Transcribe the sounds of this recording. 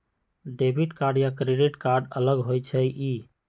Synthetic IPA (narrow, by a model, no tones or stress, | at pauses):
ɖebʱiʈkaɾɖjakɾeɖiʈkaɾɖələɡɦojt͡ʃʰɛʔiː